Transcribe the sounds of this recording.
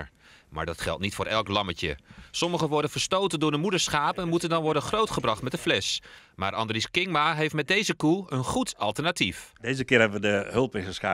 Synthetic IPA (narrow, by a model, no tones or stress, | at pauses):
ma̰ːɹdɑtχɛ̰lˠtnitfʊːɾʔɛlˠklɑməcə̰sɔməχəʋɔɹdənvəɹstowtəndʊːɹdəmudəɹsχaːpənmutəndɑnʋɔɹdənχrowtχəbrɑχtmɛtdəflɛs | ma̰ːɹʔɑ̰ndriskɪŋmaɦejftmɛt̚dejzəkuənχutɑlˠtəɹnatifdejzəkɪəɹɦɛbəʋədəhɵlˠpɪnəsxa̰